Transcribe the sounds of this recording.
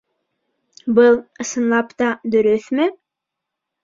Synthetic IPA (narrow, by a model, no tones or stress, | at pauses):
bɯlˠɤ̆sɤ̆nlˠɑpt̪ɑd̪ɵɾɵθmɘ